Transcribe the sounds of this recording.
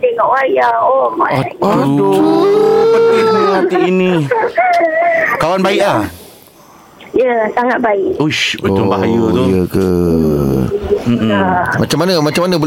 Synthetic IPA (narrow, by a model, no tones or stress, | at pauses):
t̪eŋɔʔwajaoma̰aao | pət̪imuat̪iiinĩ | kawanbaiʔlah | jəsaŋat̪̚baiʔuʃuoʊbajut̪ojəkə | m̩amat͡ʃamanəmat͡ʃamːanəbo